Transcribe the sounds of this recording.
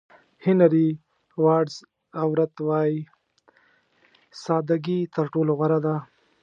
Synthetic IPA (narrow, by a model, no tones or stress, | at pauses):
hɪnaɾi | wɑɖz | awɾat̪wɑji | sɑːd̪aɡit̪əɾʈoloɣaɾad̪a